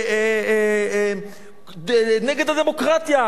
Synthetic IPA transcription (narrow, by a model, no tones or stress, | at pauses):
neɡe̞d̪ad̪e̞mo̞kʁat̪ja